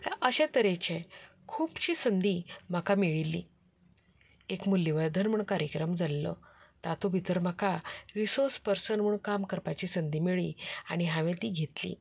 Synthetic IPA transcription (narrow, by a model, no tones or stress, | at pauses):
t̪jaʔəɕɛ̃t̪əɾet͡ɕẽ | kʰuːpt͡ɕiːsənd̪ʱim̤akamiɭilːi | ekmulːiʋad̪ʱənm̤uɳkaɾjəkɾəmd͡zalːɔ̰t̪at̪obʱit̪əɾm̤akʰaɾisoɾspəɾsənm̤uɳkamkəɾpat͡ɕisənd̪ʱiːmiɭiaɽ̃iɦãʋẽt̪iːɡʱet̪lḭː